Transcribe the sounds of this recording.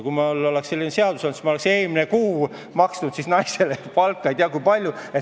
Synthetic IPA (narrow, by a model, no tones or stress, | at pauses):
kumɑolːo̞leksse̞lʲːinese̞ɑd̪̥usɑlnsi̥smɑolekseːminekuː | mɑksnud̪sisnɑjse̞lepɑlkːˑɑejt̪eɑkujpɑlʲjue